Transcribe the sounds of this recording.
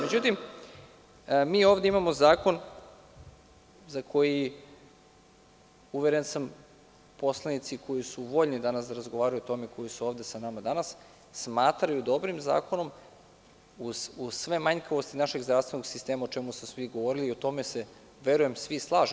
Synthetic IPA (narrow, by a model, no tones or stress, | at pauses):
me̞d͡ʑut̪im | miːo̞ːvd̪eimamo̞zaːko̞n | zakʰo̞ji | uʋeɾensam | po̞slˠanit̪sikʰo̞jisuʋo̞ːʎnid̪anasd̪aɾazɡoʋaːɾajuot̪o̞meiko̞jisuoːvd̪e̞sanamad̪anasː | maːt̪ɾajud̪o̞bɾimza̰ːkono̞m | uz̥usʋe̞maɲkaʋost̪inaʃe̞ɡzd̪ɾafst̪ʋe̞no̞ɡsist̪e̞ːmaot͡ʃemusosʋiɡo̞ʋo̞ɾiliːo̞t̪o̞mese̞ | ʋe̞ɾuje̞msʋislˠaːʒ